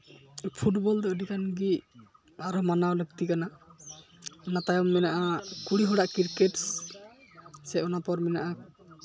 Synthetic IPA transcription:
pʰuʈbɔld̪ɛɔdikanɡi | aɾɔmanawnək̚t̪ikana | nat̪ajɔmːɛnaʔakuɽiɦɔɽaʔkiɾkeʈs | sɛɔnapɔɾmɛnaʔa

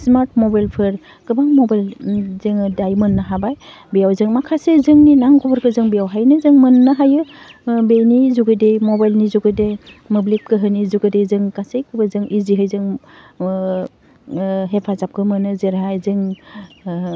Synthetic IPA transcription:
smaɾtmɔbajlpʰɯɾ | kɯbaŋmɔbajlzɯŋdajmɯnːaɦabaj | bijawzɯŋmakʰasezɯŋninaŋɡɔbaɾkɯzɯŋbijawɦajnɯzɯŋmɯnːɯɦajɯ | bejnizuɡɯdejmɔbajlnizuɡɯdej | mɯblet̚kɯɦɯnizuɡɯdejzɯŋkasejkɯbazɯŋʔiziɦɯjzɯŋ | ɦepʰazap̚kʰɯmɯnɯzeɾɦajzɯŋ

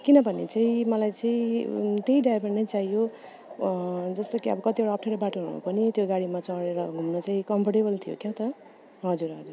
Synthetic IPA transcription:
kinʌbʱʌnḛt͡saĩmʌlajt͡saĩt̪eiɖajbennʌjt͡saijo | d͡zʌst̪okiʌ̰bʌkʌt̪ioɽaːpʰʈʰeɾʌbaʈoɦuṵpʌnit̪joɡaɽimat͡sʌɽeɾʌɦumnʌt͡saĩkʌmpʰʌʈebʌlt̪ʰijo̰kjat̪ʌ | ɦʌd͡zuɾɦʌd͡zur

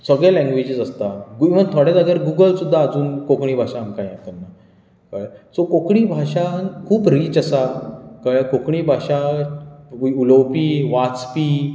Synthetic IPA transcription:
səɡɭalɛ̃ŋɡʋed͡ʑid͡zəst̪aɡʋət̪ʰoɽjad̪aɡəɾɡuɡəlsud̪ʱːaːd͡zuːnkokɳ̃iːbʱaɕaːmkaĩat̪ənːa | kəɭsokokɽ̃iːbʱaɕankʰuːpɾiːt͡ɕəsakəɭkokɳ̃iːbʱaɕa | uləwpiːʋat͡spiː

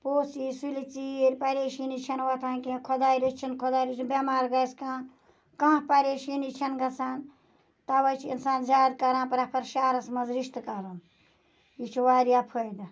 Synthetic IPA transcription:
poːsisulit͡siɾʲpɐɾeːʃinit͡ʃʰɐnwɐt̪ʰaːnkekʰɔd̪aːjɾit͡ʃʰinkʰɔd̪aːjɾit͡ʃʰbʲɐmaːɾɡɐjskãː | kãpɐɾʲeʃinit͡ʃʰɐnɡɐt͡sʰaːn | t̪ɐwɐjt͡ʃʰinsaːnzaːd̪̚kɐɾãːnpɾɐpʰɐɾʃaːɾɐsmɐzɾiʃt̪kɐɾɐn | it͡ʃʰuwaːɾijapʰojd̪ɐ

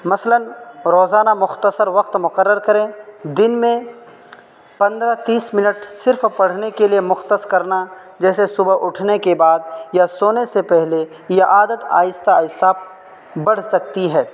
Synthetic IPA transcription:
mɐslənɾoːzaːnamʊxt̪əsəɾʋɐq̚t̪mʊqəɾːəɾkɐɾẽːd̪ɪnmẽ | pɐ̃nd̪ɾat̪iːsmɪnəʈsɪɾfpɐɽ̤nekeliemʊxt̪əskɐɾna | d͡ʒɛːsesʊbəʔʊʈʰnekebaːd̪̚jasoːnesepɛɦle | jeʔaːd̪ət̪a̰ːjɪst̪aːɪsa | bɐɽ̤sɐk̚t̪iɦɛː

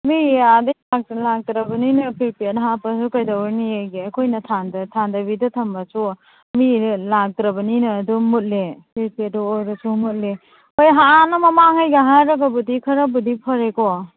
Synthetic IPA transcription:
miadejlaɡ̚lak̚tɾɐbɐninɐpʰiɾpetɦapɐsukajdawnieɡiɐkʰojnɐtʰandɐtʰandɐbidɐtʰɐmbasu | milak̚tɾɐbɐninɐːdumut̚lepʰiɾpedɔojɾɐsumut̚le | ojɦaanɐmɐmaŋhajɡaɦaɾɐɡɐbudikʰɐɾɐbudipʰɐɾekɔ

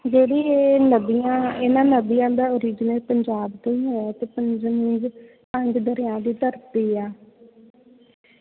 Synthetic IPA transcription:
d͡ʒeːɽiːeːnəbijãːɪnãːnəbɪjãːd̪aːoːɾiːd͡ʒnəlpəɲd͡ʒaːbt̪oiːɦoːaːt̪eːpəɲd͡ʒnĩːd͡ʒ | pə̃ɲd͡ʒd̪əɾɪjãːd̪iːt̪əɾt̪iːaː

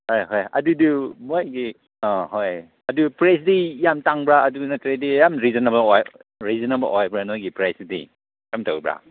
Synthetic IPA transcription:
hojɦojɐ̰dudumojɡi | aɦoj | ɐdupɾesdijamtaŋbɾaɐdunatɾedijamɾizɔnebɐlɔjɾizɔnebɐlʔɔjbɾanɔjɡipɾesdḭ | jamto̰wbɾa̰

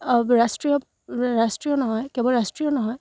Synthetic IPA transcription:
ɹastɹiɔ | ɹastɹiɔnɔɦɔjkɛbɔlɹastɹiɔnɔɦɔj

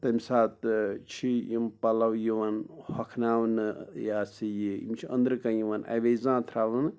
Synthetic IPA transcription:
t̪ɐmʲsaːt̪t͡ʃʰijimpɐlɐwjiʋɐnhɐkʰnaʋnɨjaːsijiḭmt͡ʃʰiɐ̰nd̪ɾɨkɐjiʋɐna̰ʋezãːt̪ʰɾaːʋɐn

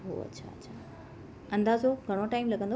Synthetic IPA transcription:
ɦo̰ə̰tːɕʰa̰ətːɕʰa | ə̃nd̪aːzoɡʱəɽ̃oʈaimləɡʱə̃nd̪

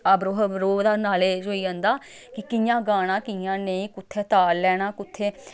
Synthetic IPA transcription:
abɾoːɦɾoːd̪aːnaːleːd͡ʒoːiːãːnd̪aː | kɪkɪjãːɡaːɽ̃ãːkɪjãːneĩːkʊt̪ʰːeːt̪aːlːɛːnaːkʊt̪ʰːeː

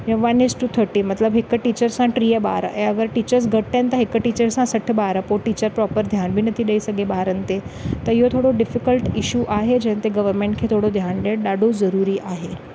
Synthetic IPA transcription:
jeʋanesʈut̪ʰəɾʈiːmət̪ləbɦekəʈit͡ɕəɾsãʈɾieba̰ɾə̰eəɡəɾʈit͡ɕəɾs̬ɡʱəʈt̪ẽnt̪əɦekəʈit͡ɕəɾsãsəʈʰbaɾəpoʈit͡ɕəɾpɾɔpəɾd̪ʱjanbʱiːnət̪iːɗəisəɡebaɾənt̪et̪əɾjot̪ʰoɽoɖifikəlʈiɕuʔaɦed͡ʑẽnt̪eɡəʋəɾmẽɳʈ̚kʰet̪ʰoɽod̪ʱjanɖeɗaɖozəɾuɾiːʔaɦe

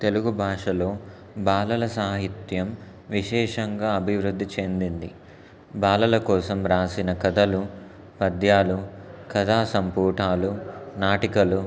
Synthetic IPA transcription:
t̪e̞luɡubʱaːʂɐlo̞ː | baːlɐlɐsaːɦit̪jɐm | ʋiʃɛːʂɐŋɡaːɐbʱiʋɾud̪ʱːit͡ʃe̞nd̪ind̪i | baːlɐlɐkɔːsɐmɾaːsinɐkɐd̪ɐlu | pɐd̪jaːlukɐd̪aːsɐmpuːʈʰaːlunaːʈikɐlu

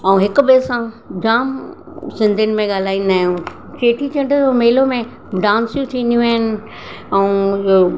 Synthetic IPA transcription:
ɛũɦɪkʊ̆beːsã | d͡ʑaːm | sɪ̃nd̪ʱʊnɪ̆mẽɠaːl̤aːinaːɦjũː | t͡ɕeːʈʰit͡ɕɐ̃ɳɖd͡ʑomeːɪlomẽ | ɖãːnsjũt̪ʰĩːnd̪ijũɦɪnɪ̆ | ɛ̃ũo

